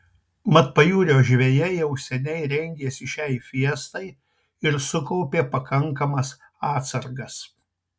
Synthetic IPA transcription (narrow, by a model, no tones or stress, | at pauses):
mɐt̪̚pɐjuːɾʲoːʒʲʋʲeːjɛjɛʊsʲɛnʲɛɪɾʲɛŋʲɡʲeːsʲɪʃʲɛɪfʲiɛst̪ɐɪ | ɪɾsʊkɒʊpʲeːpɐkɐŋkɐmɐs | ɑːt̪sɐɾɡɐs